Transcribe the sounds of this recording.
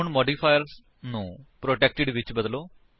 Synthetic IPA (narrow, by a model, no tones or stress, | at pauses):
uɳmɔɖifʰajəɾs | nũpɾoʈek̚ʈɪɽʋit͡ɕːbəd̪lo